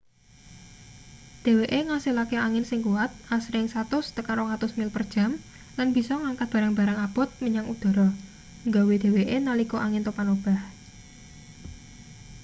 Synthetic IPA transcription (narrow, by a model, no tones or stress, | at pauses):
d̪̥e̤weʔeŋasilakeaŋɪnsɪŋkuwat̪̚asɾɪŋsat̪ʊst̪əkaɾoŋat̪ʊsmɪlpərd̥ʒ̥a̤m | lanb̥i̤sɔŋaŋkat̪̚b̥a̤ɾaŋb̥a̤ɾaŋab̥ɔ̤t̪̚məɲaŋud̪̥ɔ̤ɾɔ | ŋɡawed̪̥e̤weʔenalikoʔaŋɪnt̪opanob̥a̤h